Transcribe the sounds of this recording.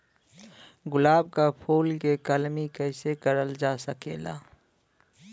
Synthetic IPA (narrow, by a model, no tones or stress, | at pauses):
ɡʊlaːbkapʰoːlkekəlmikɛːɪsekəɾəld͡ʒasəkḛːla̰ː